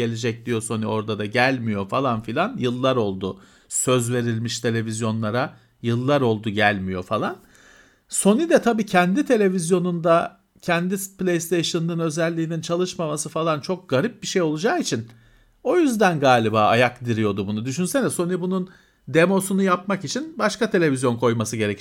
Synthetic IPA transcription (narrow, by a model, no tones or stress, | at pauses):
e̞lʲed͡ʒɛc̚d̪ijo̞so̞nuo̞ɾd̪ad̪aɟælʲmijo̞falˠanfilʲanjɯlˠːaɾo̞lˠd̪ʊ | sø̞zve̞ɾilʲmiʃt̪ʰe̞lʲe̞vizjo̞nlˠaɾa | jɯlˠːaɾo̞lˠd̪uɟælʲmijo̞falˠan | so̞nid̪ɛt̪ʰabiːcʰɛnd̪it̪ʰe̞lʲe̞vizjo̞nund̪a | cʰɛnd̪iplʲejst̪ʰejʃɯnnɯnø̞zɛlʲːiːnint͡ʃʰalˠɯʃmamasɯfalˠant͡ʃʰo̞k̚ɡ̥aɾip̚biʃe̞jo̞lˠud͡ʒaːit͡ʃʰin | o̞jyzd̪ænɡaːlʲibaːajakd̪iɾijo̞d̪ubunud̪yʃ̬ynsenɛso̞nibunun | d̪emo̞sunujapmakit͡ʃʰinbaʃkat̪ʰelʲe̞vʲizjo̞nkʰo̞jmasɯɟe̞ɾe̞c